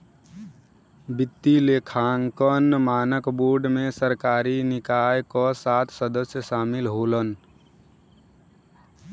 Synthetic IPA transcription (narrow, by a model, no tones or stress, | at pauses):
bit̪ːilekʰaŋkənːmaːnəkboɖmesəɾkaːɾinɪkajkɔsat̪ʰsəd̪əsjəsaːmilɦolən